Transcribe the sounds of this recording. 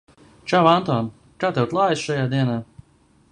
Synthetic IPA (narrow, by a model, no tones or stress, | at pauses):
t͡ʃavant̪ɔːn | kaːt̪ɛwt̪lˠaːjsʃajaːd̪iɛnaː